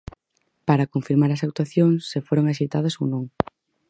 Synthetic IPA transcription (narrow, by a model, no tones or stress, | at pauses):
paɾakoɱfiɾmaɾɐsawt̪waθjoŋsːefoɾoŋaʃ̬ejt̪að̞ɐsownõŋ